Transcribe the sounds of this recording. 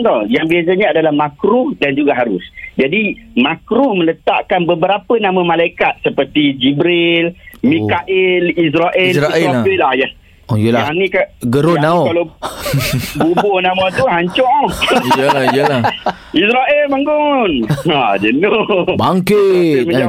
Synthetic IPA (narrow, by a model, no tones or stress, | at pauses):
t̪ɔjaŋbias̬aɲaadalahmãkɾʊhdand͡ʒuɡaɦaɾʊsd͡ʒadimakɾuhmə̃lət̪a̰ʔkanbəbəɾapənamə̃malaikat̪̚səpərt̪id͡ʒibɾɪlmĩkaʔɪlis̬ɾaʔɛlsailahja | ojəlaanĩkaɡəɾʊnaokalaw | bubʊhnamãt̪uɦaɲt͡ʃɔʔ | jla | isɾaʔɛlbaŋɡʊnad͡ʒənʊbaŋkɪməa